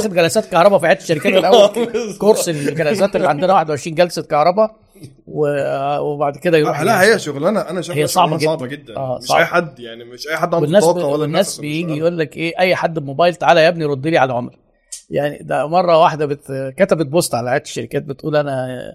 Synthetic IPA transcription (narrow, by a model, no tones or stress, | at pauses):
æxed̪ɡælæsæːt̪kɑhɾˤɑbɑfiʕeːt̪e̥ʃːæɾikæt̪lʔæwːækoɾsellɡælæsæːt̪ʔeliʕand̪enæwaːħed̪wʕeʃɾiːnɡælsækɑhɾˤɑbæ | wewebaʕd̪ked̪æjɾuħlæhejːæʃoɣlænæʔænæʃhejːæsɑʕbbɑɡenɡed̪ːʔæːsˤɑ̰ʔæħad̪ːjaʕnieʃʔæjħad̪ːʔmwenːæːswɑt̪ːwlːenːæːsbejiːɡijʔuːlːækʔeːʔæjːħad̪ːemobæːjelt̪aʕaːlæjæbniɾˤod̪ːiliːʕalæʕomɾ | jaʕnḭd̪æmɑrˤːɑwaħd̪æbet̪kæt̪æbet̪̚bosˤt̪ʕalæʕeːt̪e̥ʃːæɾikæːt̪̚bet̪ʔuːlʔænæ